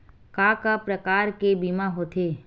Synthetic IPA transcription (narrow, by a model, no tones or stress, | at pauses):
kaːkapɾəkaːɾkebiːmaɦoːt̪ʰeː